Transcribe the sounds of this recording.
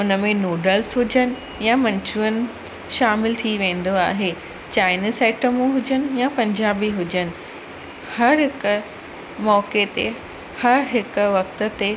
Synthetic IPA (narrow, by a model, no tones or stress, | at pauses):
ʊnəmẽnoːɖəlsɦʊd͡ʑənɪ̆ | jamɐ̃ɲt͡ɕuənɪ̆ | ʃaːmɪlt̪ʰiʋẽːn̆d̪oaːɦe | t͡ɕaːɪnizeːʈəmũɦʊd͡ʑənɪ̆japɐ̃ɲd͡ʑaːbiɦʊd͡ʑənɪ̆ | hɐɾɦɪk | mɔːket̪e | hɐɾɦɪkʊ̆ʋɐk̚t̪ə̆t̪e